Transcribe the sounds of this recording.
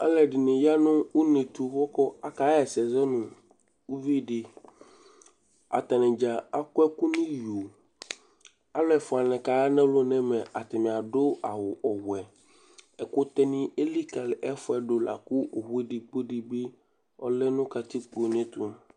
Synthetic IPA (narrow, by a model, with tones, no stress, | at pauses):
a̰˦lɛ˨ɖi˨nẽ˨ja˦nʊ̃˦wu˦nẽ˨t̪u˦wɔ˦kɔ˦a˨ka˨˦ɛ˨sɛ˨zɛ˦nũ˨ | wu˦vi˦˨ɖe˨ | a̰˨t̪a˨nɛ̃˨d͡ʒa˨a˦ku˦ɛ˦ku˦nĩ˦jo˨ | a˦lɛ˨fɔ˨a˨nɛ̃˨ka˨ja˦nɛ̃˦lo˦nɛ̃˦mɛ̃˨ʔa˨t̪ɛ˨mĩ˨a˨ɖo˦a˨wo˨ʔɔ˨wɛ˨ | ɛ˨ko˦t̪ɛ˦nĩ˦e˦li˦ka˨lɛ˦fɔ˦ɛ˨ɖo˨la̰˨ku˦ʔo˨ɦu˦e˦ɖi˨k͡po˦ɖi˨be˦ | ɔ̰˦le˦nũ˦ka˨t̪i˦k͡po˨nẽ˦t̪u˦m